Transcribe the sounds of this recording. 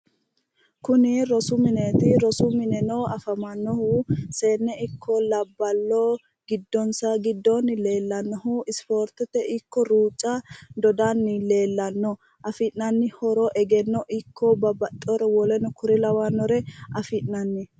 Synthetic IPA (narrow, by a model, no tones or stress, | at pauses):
kʊnɪɾɔsʊmɪnet̪ɪɾɔsʊmɪnɛnoːɐfɐmɐnːɔhuseːnːɛɪkʰːɔlɐbːɐlːo | ɡɪd̪ːɔnsɐɡɪd̪ːɔnɪle̞ːlːɐnːɔɦʊɪspoːɾt̪ɛt̪ːɛʔɪkːɔɾuːt͡ʃʼːɐd̪ɔd̪anːɪle̞ːlːɐnːɔ | ʔɐfɪʔnɐnːɪhɔɾɔʔɛɡɛnːɔʔɪkʰːɔbɐbɐt̪ʼːɔɾɛwɔlɛnɔkʊɾɪlɐwɐnːɔɾɛɐfɪʔnɐnːɪ